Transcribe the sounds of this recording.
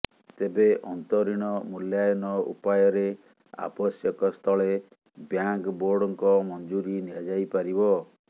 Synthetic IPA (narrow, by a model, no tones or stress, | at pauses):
t̪ebeʔɔnt̪ɔɾiɽ̃ɔmuljajɔnɔṵpajɔɾe | a̰bɔsjɔkɔst̪ʰɔɭe | bjaŋkboɾɖɔŋkɔmɔnd͡ʒuɾiniad͡ʒajpaɾibɔ